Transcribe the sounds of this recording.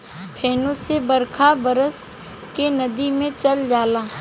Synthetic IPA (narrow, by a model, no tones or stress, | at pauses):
pʰeːnõsebɐɾkʰabɐɾəs | kenɐd̪imẽt͡ʃɐld͡ʒaːlaː